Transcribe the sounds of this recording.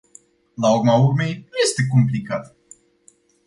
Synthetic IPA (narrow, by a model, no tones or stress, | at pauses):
laurmaurme̞jnuje̞st̪e̞komplikat̪